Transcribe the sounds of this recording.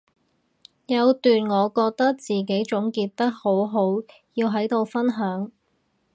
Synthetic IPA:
jɐ˨˧wt̪yː˨nŋɔː˨˧kɔː˧k̚t̪ɐ˥k̚t͡siː˨˩k̬e˨˥jt͡ʃʊ˨˥ŋkiː˧t̚t̪ɐ˥k̚ho˨˥wɦo˨˥w | jiː˧wɦɐ˨˥jt̪o˨˧wfɐ˥nɦœː˨˥ŋ

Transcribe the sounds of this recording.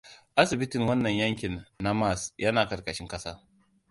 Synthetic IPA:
ʔa˦sɪ˨bɪ˦tɪ˨ŋwɐ˦nːɐ˨ɲjɐ˦ŋkʲɪ˨nːa˦ma˦˨sjɐ˦naː˨kɐ˨ɾkɐ˨ʃɪ˦ŋkɐ˦saː˦

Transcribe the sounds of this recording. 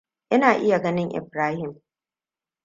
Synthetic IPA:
ʔɪ˦naː˨ʔɪ˦ja˨ɡɐ˦nɪ˦ŋʔɪ̰˨bɾaː˦hɪ˨m

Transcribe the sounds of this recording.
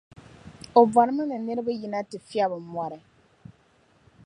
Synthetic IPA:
o˨ba˨ɾɨ˦mɨ˦nɨ˨nɨ˦ɾɨ˦bɨ˦ji˦na˦tɨ˨fi˦a˦bɨ˨mwɔ˨ɾɨ˨

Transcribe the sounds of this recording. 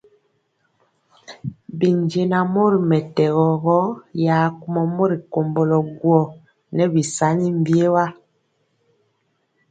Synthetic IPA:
bi˨ɲd͡ʒe˨na˨mo˦ɾi˨mɛ˨tɛ˨ɣɔ˨ɣɔ˦ja˨ku˦mɔ˨mo˦ɾi˨ko˨mbɔ˨lɔ˨ɡwɔ˨ | nɛ˦bi˨sa˨˦ni˦mbje˦wa˦

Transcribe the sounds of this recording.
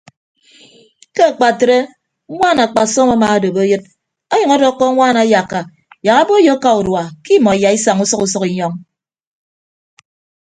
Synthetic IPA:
ke˦a˨k͡pa˨tɾe˦ | ŋʷa˦˨na˨k͡pa˨sɔ˦ma˦ma˨a˦do˨bo˦jɨ˦t̚ | ɔ˦jʌ˨ŋɔ˦dɔ˦kːɔ˦ŋʷaː˦˨na˨˦ja˨kːa˨ | ja˨ɣa˦bo˦jo˦ka˨u˨dwa˨ki˦mɔ˨ja˨i˦sa˨ŋu˦sɔ˦ku˦sɔ˦ki˦ɲɔ˦ŋ

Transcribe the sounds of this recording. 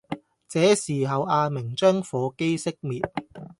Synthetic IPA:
t͡sɛː˨˥siː˨˩ɦɐ˨waː˧mɪ˨˩ŋt͡ʃœː˥ŋfɔː˨˧ke˥jsɪ˥k̚miː˨t̚

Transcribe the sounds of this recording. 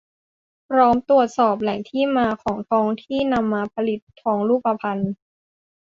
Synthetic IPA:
pʰɾɔː˦˥mt̪u˨˩ət̪̚sɔː˨˩p̚lɛ˨˩˦ŋt̪ʰiː˥˩maː˧kʰɔː˩˦ŋt̪ʰɔː˧ŋt̪ʰiː˥˩na˧mːaː˧pʰa˧li˨˩t̪ʰːɔː˧ŋɾuː˥˩pːa˧pʰa˧n

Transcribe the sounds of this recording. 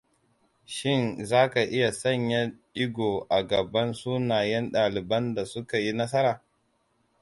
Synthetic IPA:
ʃɪ˦˨nzaː˦ka˨ʔɪ˦ja˨sɐ˦˨ɲja˦ɗɪ˦ɡʷoː˨ʔa˨ɡɐ˨bɐ˦nsuː˦naː˨jɛ˦nɗaː˨lɪ˨bɐ˦nda˨sʊ˦ka˨ji˦nɐ˦sɐ˦ɾaː˨

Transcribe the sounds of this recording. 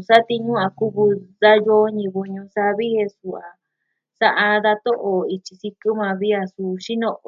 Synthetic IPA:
sa˦t̪i˧ɲũ˦a˨ku˦βu˧ða˦jo˦ɲĩ˧βu˧ɲũ˧sa˧βi˦he˧su˨a˨ | sa˧ʔa˧ða˧t̪o˦ʔo˨i˧t͡ʃi˧si˧ku˦mã˧βi˦a˧su˧ʃi˦nõ˧ʔ

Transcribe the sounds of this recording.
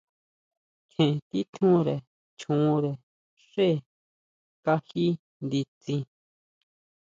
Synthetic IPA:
kʰẽ˨t̪i˦t̪ʰũ˦ɾe˨ | t͡ʃʰũ˨˧ɾe˨ | ʂe˦˨ | ka˦hi˦ | nd̪i˧t͡sĩ˧

